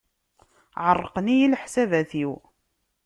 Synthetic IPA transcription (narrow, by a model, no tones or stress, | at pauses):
ʕərˤːəqnijilħsævæθiw